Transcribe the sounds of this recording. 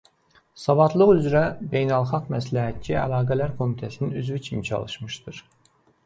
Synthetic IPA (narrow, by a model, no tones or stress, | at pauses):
sɑvɑt̪ʰlˠɯɣyzɾæbe̞jnælˠχɑɡmæslæɦæt̪̚t͡ʃʰiæ̰lˠɑːɡælæɾkʰo̞mit̪ʰæsininyzvit͡ʃʰimit͡ʃʰɑ̰lˠɯʃmɯʃt̪ɯɾ